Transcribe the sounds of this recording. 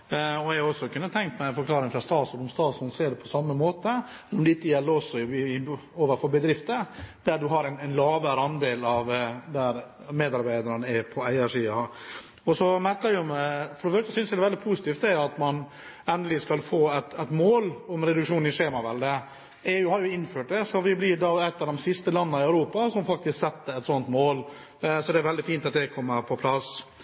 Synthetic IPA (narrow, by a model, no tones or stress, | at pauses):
ɔɛɔsːɔkʉnːət̪ʰɛŋk̚t̪mæɪfɔɾklɑːɾɪŋfɾɑst̪ɑːt̪suɔmst̪ɑːt̪sunseːɖɛpʰɔsɑmːəmoːt̪ə | mɛnɔmd̪ɛɪkːəjɛlːəɾɔsɔ | oːʋəɾfɔɾbəd̪ɾɪft̪əd̪̥æɖʉɦɑɾæɪnænlɑːʋəɾɑnd̪eːlɑʋd̪æɾ | meːd̪ɑɾbæɪd̪əɾənəɛpʰɔæɪɑʂiːɑ | ɔsɔmæɾkəɾjʊmɛfɔɾɔmøːkəsʏnsæd̪ɛʋɛld̪ɪpʰuːsɪt̪iːft̪̚d̪ɛjɑt̪mɑn | ɛnd̪əlɪskɑlfoːæt̪ɛt̪moːlɔmɾɛd̪ʉkʂuːnnɪʂeːmɑʋɛld̪ɛ | ɛjʊhɑɾjʊɪnføːʈ̚d̪ɛsɔʋɪblɪd̪ɑːɛt̪ːɑʋd̪ɔmsɪst̪əlɑnːnɑɪœʉɾuːpɑsɔmfɑk̚t̪ɪsksɛt̪ːəɾɛt̪sɔnt̪moːl | sɔd̪ɛæɾʋɛld̪ɪfiːnt̪ɑt̪̚d̪ɛkʰɔmːəɾpʰɔpʰlɑs